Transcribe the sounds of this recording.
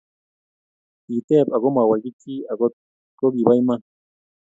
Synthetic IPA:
i˨t̪e˦apa˨ɣoma˨wa˨ɡiki˦a˨ɡot̪̚ | ko˦ɡi˨bajma˦

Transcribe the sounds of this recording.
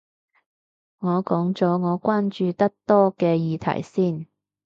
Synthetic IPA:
ŋɔː˨˧kɔː˨˥ŋt͡sɔː˨˥ŋɔː˨˧kʷwaː˥nt͡ʃyː˨˧t̪ɐ˥k̚t̪ɔː˥kɛː˧jiː˨˧t̪ʰɐ̰˨˩jsiː˥˩n

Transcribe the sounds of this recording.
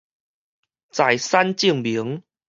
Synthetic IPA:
t͡sa˨˩jsa˦nt͡ɕi˥˧əŋbi˨˦ŋ

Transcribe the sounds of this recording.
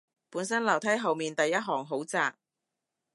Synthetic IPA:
puː˨˥nsɐ˥nlɐ˨˩wt̪ʰɐ˨˥jɦɐ˨wmiː˨nt̪ɐ˨jːɐ˥t̚ɦɔː˨˩ŋɦo˨˥wt͡saː˨k̚

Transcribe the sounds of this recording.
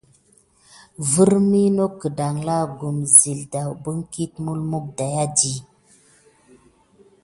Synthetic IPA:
vu˦ɾmi˦no˦kə˨da˨ŋla˦˨ɡu˨mzi˨lda˨wbə˦ŋ˦ki˦t̚mu˦lmu˦k̚da˨ja˦di˨

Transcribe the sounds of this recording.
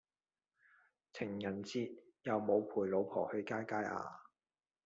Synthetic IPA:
t͡sʰɪ˨˩ŋjɐ˨˩nt͡siː˧t̚ | jɐ˨˧wmo˨˧wpʰuː˨˩jlo˨˧wpʰɔ̰ː˨˩hɵ˨˧ɥkaː˥jkaː˥jʔa̰ː˧

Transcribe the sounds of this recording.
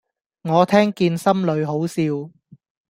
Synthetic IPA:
ŋɔː˨˧t̪ʰɛː˥ŋkiː˧nsɐ˥mlɵ˨˧ɥɦo˨˥wsiː˧w

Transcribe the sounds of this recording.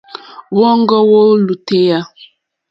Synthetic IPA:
wɔ˦ŋ˦ɡɔ˦wo˦lu˨te˦ja˦

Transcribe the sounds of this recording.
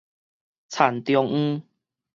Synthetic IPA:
t͡sʰa˨˩nt̪jɔ˧ŋ̩̃˦

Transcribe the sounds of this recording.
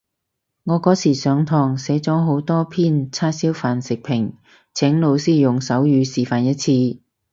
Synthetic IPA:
ŋɔː˨˧kɔː˨˥sʰiː˨˩sœː˨˧ŋt̪ʰɔː˨˩ŋsɛː˨˥t͡sɔː˨˥ɦo˨˥wt̪ɔː˥pʰiː˥nt͡sʰaː˥siː˥wfaː˨nsɪ˨k̚pʰɪ˨˩ŋ | t͡sʰɛː˨˥ŋlo˨˧wsiː˥˩jʊ˨˩ŋsɐ˨˥wjyː˨˧siː˨˩faː˨njɐ˥t̚t͡sʰiː˧

